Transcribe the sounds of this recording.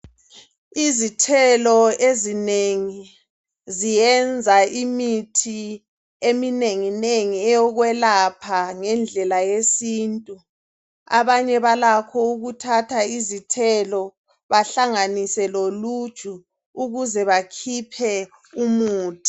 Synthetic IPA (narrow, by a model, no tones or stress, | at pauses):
izitʰɛlɔezineŋi | zijɛnd͡zʱaimitʰi | emineŋineŋiɛjɔɣwɛlapʰaŋɛnd͡ɮʱɛlajesiːntʼu | a̰βaɲɛβalakʰɔuɣutʰatʰaizitʰɛlɔ | βaɬaŋanisɛlolud̥ʒ̥ʱu | uɣuzɛβakʰipʰɛ | umuːtʰʼi̥